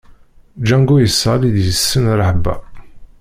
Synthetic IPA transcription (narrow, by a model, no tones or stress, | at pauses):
d͡ʒæŋɡujəsːɑliðjəsːənɾˤəħbæ̰